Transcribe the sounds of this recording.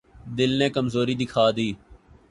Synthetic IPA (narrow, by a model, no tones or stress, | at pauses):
d̪ɪlnẽːkəmzoːɾid̪ɪkʰaːd̪iː